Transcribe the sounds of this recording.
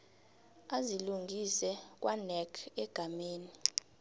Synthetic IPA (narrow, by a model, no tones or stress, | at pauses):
aziluŋɡʱisɛk̬ʼwʔanɛkʰɛɡ̥ʱameːni